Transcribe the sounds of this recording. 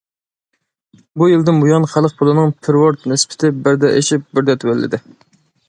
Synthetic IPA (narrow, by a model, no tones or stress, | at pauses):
bujild̪ɪnmujɑnχælˠəq̚pʰolˠɨnɨŋpʰɪɾwoɾt̪nɪspʰɪ̥t̪ʰɪbɪɾd̪ɛʔeʃip̚bɪɾd̪ɛt̪ʰwɛlːɪ̰d̪ɪ